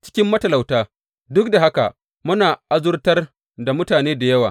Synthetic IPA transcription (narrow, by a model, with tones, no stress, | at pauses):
t͡ʃɪ̥˦kʲɪ˦mːɐ˦tɐ˨la˨wtaː˦ | dʊ˦k̚da˨ɦa˦ka̰˨ʔ | mʊ˦naː˨ʔa˦zʊ˦rtɐ˦r | da˨mʊ˦taː˨neː˦da˨jɐ˦waː˨